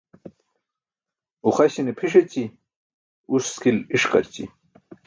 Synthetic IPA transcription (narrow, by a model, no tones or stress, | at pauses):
uχaɕinepʰiʂet͡ɕi | usskiliʂqa̰ɾt͡ɕḭ